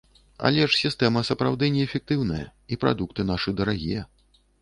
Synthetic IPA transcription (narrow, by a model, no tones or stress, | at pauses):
a̰lʲɛʂsʲist̪ɛmɐsɐpɾawd̪ɨnʲɛːfʲɛk̚t̪ɨwnɐjɐ̰ipɾa̰d̪ukt̪ɨnaʂɨd̪ɐɾaɣʲijɛ